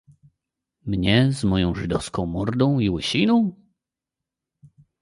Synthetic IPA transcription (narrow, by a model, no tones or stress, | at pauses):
mɲɛzmɔjɔ̃w̃ʐɨd̪ɔfskɔ̃w̃mɔɾd̪ɔ̃w̃iwɘɕinɔ̃w̃